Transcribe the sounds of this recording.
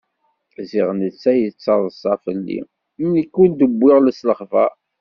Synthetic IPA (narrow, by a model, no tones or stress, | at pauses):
ziʁnət͡sːæjət͡sːɑðˤəsˤɑfəlːḭ | mnikːund̪əbʷːɪʁləsləχvæ